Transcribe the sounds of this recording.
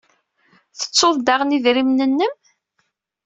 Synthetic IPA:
θə̥t͡sːoðˤd̪aʁniðɾimnənːəm

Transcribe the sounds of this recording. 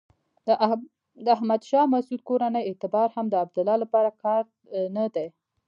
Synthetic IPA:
d̪əahmad̪ʃɑmasud̪̚koɾanəjet̪ɪbɑɾhamd̪əab̚d̪ʊlɑlapɑɾakɑɾ | nad̪e

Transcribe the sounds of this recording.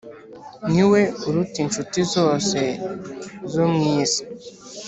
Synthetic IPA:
ŋiweuɾutint͡ʃutizoːse | zomŋiːsi̥

